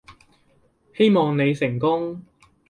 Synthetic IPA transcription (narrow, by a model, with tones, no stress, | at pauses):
he˥jmɔː˨ŋne˨˧jsɪ˨˩ŋkʊ˥ŋ